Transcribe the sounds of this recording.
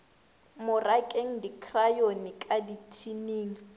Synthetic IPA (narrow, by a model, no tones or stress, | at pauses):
mʊrakʼeŋ̩dikʰrajonɪkʼaditʰineːŋ̩